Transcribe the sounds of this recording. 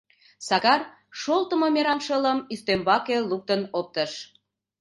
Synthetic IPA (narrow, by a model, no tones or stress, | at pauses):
sɑkɑr | ʃolt̪əmomeɾɑnʃələmyst̪embɑkeluk̚t̪ənop̚t̪əʃ